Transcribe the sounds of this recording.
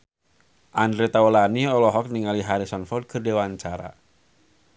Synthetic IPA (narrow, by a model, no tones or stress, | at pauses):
ʔandɾet̪aɔlaniɔlɔɦɔk̚niŋaliɦaɾisɔnfɔrd̚kʰɨrdewaɲt͡ʃaɾa̰